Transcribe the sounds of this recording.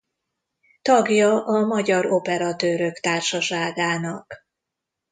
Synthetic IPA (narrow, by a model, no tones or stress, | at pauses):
t̪ɒɡjɒʔɒmɒɟɒɾo̞pɛɾɒt̪øːɾøkt̪aːrʃɒʃaːɡaːnɒk